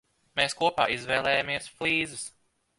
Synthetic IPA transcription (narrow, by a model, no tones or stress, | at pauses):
meːskuɔpa̰ːizvɛːlˠɛːjamiɛsflˠiːzɨs